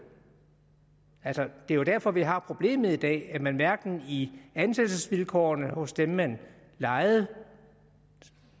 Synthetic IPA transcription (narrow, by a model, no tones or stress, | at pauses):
ælsɒd̥e̝ɐjo̝d̥æɐfɒ̽ʋiɦɑ̈pʰʁo̝b̥le̝̰ːmð̩ˠid̥ɛ̰ːæmænʋæɐɡ̥n̩iænsed̥əsʋilkʰɒ̰ːnəhɔ̽sd̥emːæn | lɑ̈ɪð̩ˠ